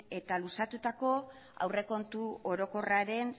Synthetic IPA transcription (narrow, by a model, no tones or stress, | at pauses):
e̞t̪alusat̪ut̪ako̞ | a̰wre̞ko̞nt̪uo̞ɾo̞ko̞raɾe̞n